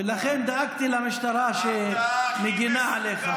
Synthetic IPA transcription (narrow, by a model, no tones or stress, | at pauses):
elaχend̪aaɡt̪ilamiʃt̪aɾaʃemeɡinaʕaleχa